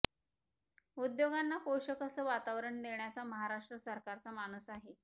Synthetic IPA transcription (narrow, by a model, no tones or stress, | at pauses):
ud̪joɡanːapowɕəkəsəʋat̪aʋɾəɳd̪eɳjat͡saməɦaɾaʂʈɾəsəɾkaɾt͡samañuːsaɦe